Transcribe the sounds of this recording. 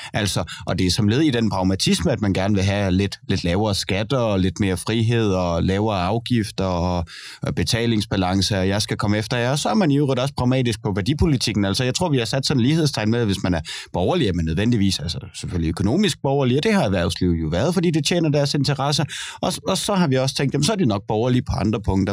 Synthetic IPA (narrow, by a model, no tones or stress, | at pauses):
ʔæl̰sɒʔɒ̽d̥e̝æɐsɒ̽mle̝ːð̞̩ˠid̥enpʰʁɑ̈ʊmæt͡sʰisməæd̥̚mænɡ̥æɐnəʋe̝ɦæle̝d̥le̝d̥lɛːʊɐːsɡ̥æd̥ɐːle̝d̥me̝ːɐfʁiɦe̝ð̞̰ˠɒ̽lɛːʊɐːɑ̈ʊɡ̥ifd̥ɐɒ | b̥e̝t͡sʰɛ̰ːle̝ŋsb̥ælɑ̈ŋsəæjɑ̈ɪsɡ̥ækʰɒ̽məefd̥ɐjeɒ̽sɒ̽æɐmæniuʁed̥ɒ̽spʰʁɑ̈ʊmɛ̰ːd̥isɡ̥̚pʰɒ̽ʋæɐd̥ipʰo̝lit͡sʰiɡ̥n̩ælsɒjɑ̈ɪt͡sʰʁo̝ɐ̰ʋihɑ̈sæd̥sɒ̽n̩liːheðˠst͡sʰɑ̈ɪ̰nmeæʋe̝smænæɐb̥ɒʊɐliæmenːøð̞ˠʋen̰d̥iʋḭːsælsɐ̥seføliøkʰo̝no̝̰ːmisɡ̥̚b̥ɒʊɐliɒd̥e̝ɦɑ̈æʋæɐ̰sliʊ̰jo̝ʋæɐð̞̩ˠfɒ̽d̥ḭːd̥e̝t͡ɕʰḛːnɐd̥æɐse̝nt͡sʰɐʁɑsɐʔɒ̽ɒ̽sɒ̽ɦɑ̈ʋiɒ̽sə̥t͡sʰeŋ̰ɡd̥jæmns̬ɒɐd̥enɒ̽ɡ̥̚b̥ɒʊɐlipʰɒ̽ɑ̈nd̥ʁɐpʰɔ̽ŋ̰d̥ɐ